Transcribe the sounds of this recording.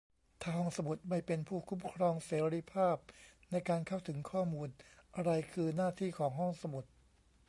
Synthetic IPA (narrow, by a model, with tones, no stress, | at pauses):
t̪ʰaː˥˩hɔ˥˩ŋsa˧mu˨˩t̪̚ma˥˩jpe˧npʰuː˥˩kʰu˦˥mkʰɾɔː˧ŋseː˩˦ɾi˧˥pʰaː˥˩p̚na˧jkaː˧nkʰa˥˩wt̪ʰɯ˩˦ŋkʰɔː˥˩muː˧nʔa˧ɾa˧jkʰɯː˧naː˥˩t̪ʰiː˥˩kʰɔː˩˦ŋɦɔ˥˩ŋsa˧mu˨˩t̪̚